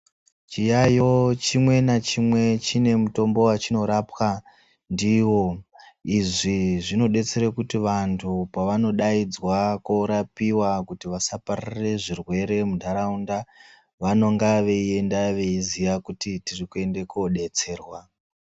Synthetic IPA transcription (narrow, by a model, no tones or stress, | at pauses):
t͡ʃijajo̞t͡ʃimwe̞nat͡ʃimwe̞t͡ʃine̞muto̞mbo̞wat͡ʃino̞ɾapwa | ndiwo̞iʐiʐino̞ɗe̞t͡se̞ɾekutiʋantʰupaʋano̞ɗaid͡zwakwoɾapiwakutiʋasaparire̞ʐirwe̞ɾe̞mudʱaɾaunda | ʋano̞ŋɡaʋe̞ie̞ndaʋe̞izijakutitirikue̞ndekoɗe̞t͡se̞ːrwa